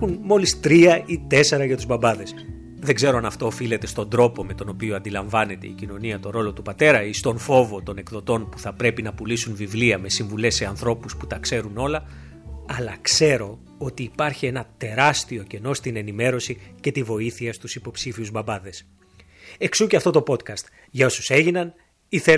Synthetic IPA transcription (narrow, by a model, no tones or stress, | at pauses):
unmo̞list̪ɾiɐit̪e̞se̞ɾɐʝɐt̪uzbɐbɐðe̞s | ðeŋɡze̞ɾo̞ɐnɐft̪o̞ːfile̞t̪e̞st̪o̞nd̪ɾo̞po̞me̞t̪o̞no̞pioɐnd̪ilɐɱvɐne̞t̪e̞̰icino̞niɐt̪o̞ɾo̞lo̞t̪upɐt̪e̞ɾɐist̪o̞nfo̞vo̞t̪o̞ne̞kðo̞t̪o̞npuθɐpɾe̞pinɐpulisunvivliɐme̞siɱvule̞sːe̞ɐnθɾo̞pusput̪ɐkse̞ɾuno̞lɐ | ɐlɐkse̞ɾo̞ | ot̪iːpɐɾçie̞nɐt̪e̞ɾɐst̪io̞ce̞no̞st̪ine̞nime̞ɾo̞sice̞t̪ivo̞iθiɐst̪usipo̞psifiuzbɐbɐðe̞s | e̞ksuceɐft̪o̞t̪o̞po̞t̪kɐst̪ | ʝɐo̞suse̞ʝinɐn | iθe